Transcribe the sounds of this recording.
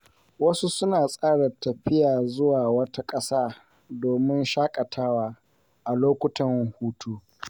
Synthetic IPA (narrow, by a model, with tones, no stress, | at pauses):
wɐ˦su˦sʊ˦naː˨sʼaː˦ɽa˨tɐ˨ɸɪ˦jaː˨zʊ˦waː˨wɐ˦ta˦kʼɐ˦saː˦ | doː˨mɪ˦nʃaː˦kʼɐ˨tʰaː˦waː˨ | ʔa˨loː˦kʷʊ˦tɐ˨ŋ˨huː˦tʰuː˦